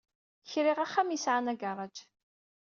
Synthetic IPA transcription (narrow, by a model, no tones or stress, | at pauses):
çɾɪʁaχːæmjisʕanæɡarˤɑd͡ʒ